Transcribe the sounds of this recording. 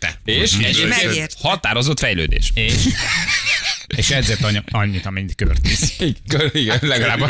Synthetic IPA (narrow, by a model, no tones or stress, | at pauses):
t̪ɛ̰eːʃɛehɒt̪aːɾo̞zo̞t̪fɛjlø̰ːd̪ḛːʃeːʃ | eːʃɛɟzeːrt̪ɒɲɒɲːit̪ɒmɛɲːit̪kørt̪isikøiɡɛnlɛɡɒlaːb